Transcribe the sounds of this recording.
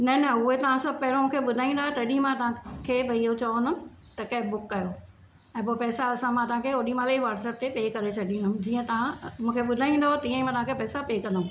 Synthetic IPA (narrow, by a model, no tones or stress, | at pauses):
nɐnɐʊɦet̪ɐʋ̤ãsɐb̚ʱpɐɦɪɾõmũːkʰeɓʊd̪ʱaːĩːn̆d̪aːɦɛt̪ɐɐɗĩmãt̪ɐɦãkʰeːbʱɐiɦot͡ɕɐʋond̪əmɪ | t̪ɐkɐɦɪbʊkːɐjo | ɛ̃ːp̬oːpɛːsaɐsãmãːt̪ɐʋ̤ãkʰeoɗimãːleiʋaːʈsɛːp̚t̪epeːkɐɾet͡ɕʰɐɖʱĩnd̪əmɪ̆d͡ʑiːə̃t̪ɐʋ̤ãmũːkʰeɓʊd̪ʱaːĩːn̆d̪ot̪ɐiə̃imãt̪ɐʋ̤ãkʰepɛːsapeːkɐ̃nd̪ə̃